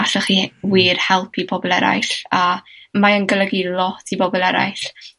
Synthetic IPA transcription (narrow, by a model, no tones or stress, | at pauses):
aɬaχiːwiːrhɛlˠpʰibʰɔbɔlˠɛ̰ɾa̰jɬamaənɡəlˠəɡilˠɔtʰibɔbɔlˠɛɾa̰jɬ